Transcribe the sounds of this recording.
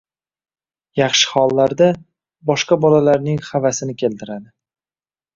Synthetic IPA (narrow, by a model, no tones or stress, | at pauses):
jɑχʃɪ̥χɒlˠːaɾd̪a | bɒʃqabɒlalaɾnɪŋχavasɪnɪkʲʰe̞lt̪ʰɪɾad̪ɪ